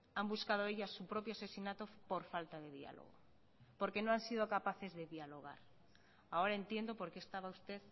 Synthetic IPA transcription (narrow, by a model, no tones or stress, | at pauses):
ambuskað̞oeʎasupɾopjoasesinat̪opoɾfalt̪aðeðia̰lo̰ɣ̞o̰ | poɾkenõansið̞okapaθezðeðialoɣ̞a̰ɾ | aoɾaent̪jend̪opoɾkeːst̪aβaust̪eð